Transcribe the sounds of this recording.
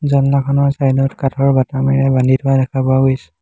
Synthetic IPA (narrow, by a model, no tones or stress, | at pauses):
zɔnmakʰɔnɔɹsajdɔtkatʰɔɹbatamɛɹɛbandʱitʰʊadɛkʰapʊaɡojsɛ̥